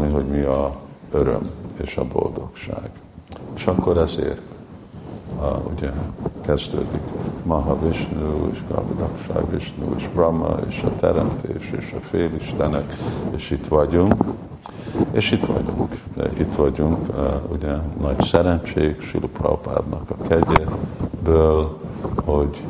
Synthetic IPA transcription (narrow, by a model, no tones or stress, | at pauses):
miɦo̞ɟmiɒøɾø̰meːʃɒbo̞̰ld̪o̞kʃa̰ːɡ̥ | eːʃɒkːo̞ɾɛzḛːr | uɟɛkɛzd̪øːd̪ikmɒɦɒviʃnueʃɡɒ̰mid̪ɒkʃa̰ːɡʋiʃnuːeʃbrɒmɒ̰eːʃɒt̪ʰɛɾɛmt̪ʰeːʃeːʃɒfeːliʃt̪ɛnɛkeːʃit̪ʋɒɟuŋk | eːʃit̪ʋɒ̰ɟuŋkit̪ʋɒɟuŋkuɟɛnɒɟsɛɾɛnt͡ʃeːɡʃylupro̰pa̰ːd̪nɒkɒkʰɛɟebøːlhoɟ